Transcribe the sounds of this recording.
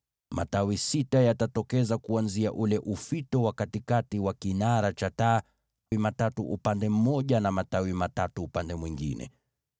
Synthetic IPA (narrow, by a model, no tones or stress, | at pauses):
mʔa̰tawisitajatatɔkɛzakuanzia̰ʔulɛʔufitɔwakatikatiwakinaɾat͡ʃataː | wimatatuʔupandɛm̩mɔʄanamatawimatatuːpandɛmwiŋɡḭnɛ̰